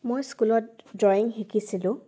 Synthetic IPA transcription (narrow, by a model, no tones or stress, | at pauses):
mojskulɔt̚dɔjiŋɦikʰisilʊ̃